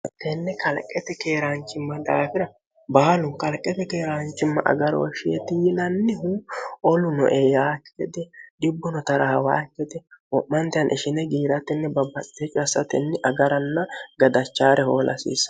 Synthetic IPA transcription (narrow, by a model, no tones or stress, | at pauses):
t̪ɛnːɛkʰɐlkʼːɛt̪ɛke̞ːɾant͡ʃːɪmːɐd̪a̰ːfɪɾɐ | baːlʊnkɐlkʼːɛt̪ɛkeːɾant͡ʃːɪmːɐ̰ʔɐ̰ɡɐɾɔ̰wɔʃɪjɛ̰t̪ːɪjɪlɐnːɛhuɔlʊnɔ̰ʔejaːkːɛd̪ɛᶑɪbːɔnɔt̪ɐɾɐhɐwa̰ːkːɛd̪ɛwɔʔmːɐnt̪ɛjɐnʔɪʃɪnɛɡiːɾɐt̪ɛnːɛbɐbːɐt͡sʼːɛt͡ʃʼʊɐsːɐt̪ɛnːɛʔɐɡɐɾɐnːɐɡɐd̪ɐt͡ʃːaːɾɛhoːlʔɐ̰sḭːsːɐ̥